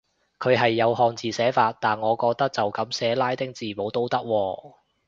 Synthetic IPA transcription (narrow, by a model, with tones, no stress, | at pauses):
kʰɵ˨˧ɥɦɐ˨jːɐ˨˧whɔː˨˧ŋt͡siː˨sɛː˨˥faː˧t̚t̪aː˨˩nŋɔː˨˧kɔː˧k̚t̪ɐ˥k̚t͡sɐ˨wkɐ˨˥msɛː˨˥laː˥jt̪ɪ˥ŋt͡siː˨mo˨˥wt̪o˥wt̪ɐ˥k̚wɔː˧